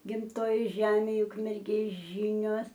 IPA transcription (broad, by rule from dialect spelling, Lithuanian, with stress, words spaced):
ɡʲɪmˈtoːjoːj ˈʒʲæːmʲeːj ʊkmʲɛrʲˈɡʲeːs ˈʒʲɪnʲoːs